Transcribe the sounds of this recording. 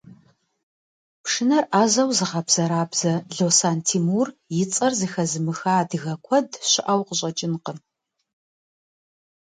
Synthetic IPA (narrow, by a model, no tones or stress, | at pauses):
pʂɨnɐrʔaːzɐwzɨʁɐbz̥ɐɾaːbz̥ɐɮowsaːntʰiːmuːrjɪt͡sʼɐrzɨxɐzɨmɨxaːdɨɣɐkʷʰɔdɕɪʔɐwqəɕʼɐt͡ʃʼɪnqən